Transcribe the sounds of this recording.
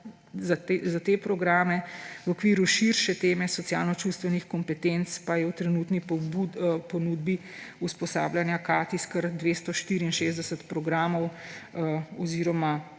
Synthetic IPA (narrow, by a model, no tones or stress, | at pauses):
zazat̪eːpɾɔɡɾaːmɛwɔkʋiːɾuʃiɾʃɛt̪eːmɛsɔsja̰ːlnɔt͡ʃust̪ʋɛnixkɔmpɛt̪ent̪spajɛwt̪ɾɛnuːt̪nibpɔnuːd̪bi | uspɔsa̰ːbljanjakaːt̪iskəɾd̪ʋeːst̪ɔʃt̪iːɾiːnʃeːzd̪ɛsət̪pɾɔɡɾaːmɔw | ɔziːɾɔma